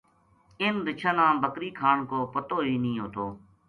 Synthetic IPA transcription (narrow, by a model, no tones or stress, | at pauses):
ɪnd̪ɪt͡ʃʰənãːbʱəkɾiːkʰaːɳkoːpət̪oːɦiːnĩːɦoːt̪oː